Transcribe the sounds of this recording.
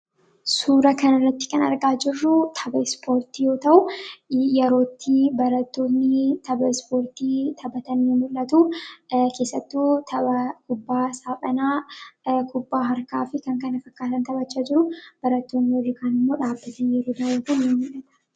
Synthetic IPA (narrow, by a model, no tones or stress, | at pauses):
suːɾɐkɐnɐrːɐt̪ːɪ̥kɐnɐ̰ɾɡaːd͡ʒɪrːʊt̪ʰɐbɐspʰo̞ːɾt̪ijo̞ːt̪ɐʔʊjɛɾo̞ːt̪ːibɐɾɐt̪ːoːnːɪt̪ʰɐbɐspo̞ːɾt̪iːt̪ʰɐbɐt̪ɐnmɪmːʊlːɐt̪ukʰe̞ːsːɐt̪ːuːt̪ʰɐɐkʊbːaːsaːpʼɐnaː | kʰʊbːaːɦɐɾka̰ːfɪkɐŋkɐnɐfɐkːaːt̪ɐnt̪ɐbɐt͡ʃːaːd͡ʒɪɾʊb̥ɐɾɐt̪ːoːnːɪwɐrːikʰaːnɪmːo̞ːᶑaːbːɐt̪ʰɐnjɛɾoːd̪ɐwɐt̪ɐnɪmʊlʔɐt̪ɐ̥